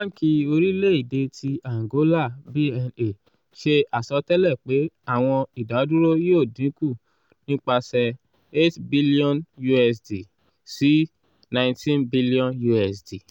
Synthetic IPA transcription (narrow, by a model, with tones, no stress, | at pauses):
a˦ki˧o˧ɾi˦le˦i˦˨de˧tʰi˧a˨ŋ˨ɡo˨˦la˦˨bi˦ɛ˧ne˨ | ʃe˧a˨sɔ˧˦tɛ˦lɛ˦˨k͡pe˨˦a˦˨w̃ɔ̃˧i˨da˨˦dũ˦ɾo˦joː˦˨dĩ˨˦ku˦˨ | nĩ˦k͡pa˧sɛ˧ | e˦tbi˦li˦ɔ̃˦nju˧ɛ˧sdi˨ | si˨˦ | nã˧j̃tĩ˦nbi˦li˦ɔ̃˦nju˧ɛ˧sdi˨